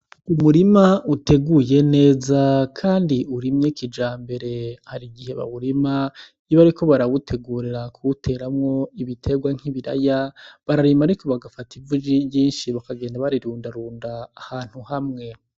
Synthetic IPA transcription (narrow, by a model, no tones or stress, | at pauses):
umuɾimaute̞ɡuje̞ne̞ːzakʰaːndiuɾimɲekid͡ʒaːmbe̞ɾe̞haɾiɡihe̞βa̰βuɾima | jiβaɾikʰo̞βaɾaβutʰe̞ɡuːɾiɾakʰuutʰe̞ɾamŋo̞iβitʰe̞ɡwaŋ̥iβiɾa̰jaβaɾaɾimaɾiko̞βaɡafativud͡ʒiβjiːnʃiβakaɡe̞ːndaβaɾiɾuːndaɾuːndaːhaːn̥huhamŋe̞